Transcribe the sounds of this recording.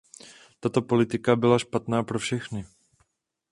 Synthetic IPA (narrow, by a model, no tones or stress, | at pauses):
t̪at̪o̞po̞lɪt̪ɪkabɪlaʃpat̪naːpɾofʃɛxnɪ